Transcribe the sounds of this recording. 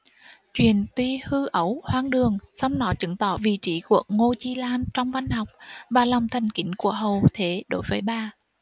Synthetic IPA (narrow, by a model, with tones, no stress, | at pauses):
t͡ɕwḭ˨˩ənt̪wi˧hɨ˧ʔə˨˦whwaː˧ŋɗɨ˨˩əŋsa˧wŋ͡mnɔ˨˦t͡ɕɨ˧˦ŋt̪ɔ˧˩vḭ˨˩˨t͡ɕḭ˧˦ku˧˩ək̚ŋo˧t͡ɕi˧laː˧nt͡ɕɔ˧wŋ͡mva˧jnha˨˩wk͡p̚vaː˨˩lɔ˨˩wŋ͡mt̪ʰa˨˩jŋ̟kḭ˧˦ŋ̟ku˧˩əɦə˨˩wt̪ʰe˨˦ɗo˧˨˦jvəː˨˦jɓaː˧˩